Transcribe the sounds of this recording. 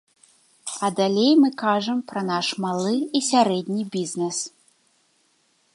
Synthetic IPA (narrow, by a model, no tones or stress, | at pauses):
ɐd̪alʲejmɨkaʐɐmpɾɐnaʂmalˠɨisʲaɾɛd̪ʲnʲibʲizʲnɛs